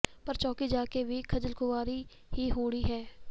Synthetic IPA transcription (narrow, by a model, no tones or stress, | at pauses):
pɐɾt͡ʃɔːkid͡ʒaːkebʱikʰɐd͡ʒəlkʊʋaːɾi | ɦiɦoːɽiɦɛː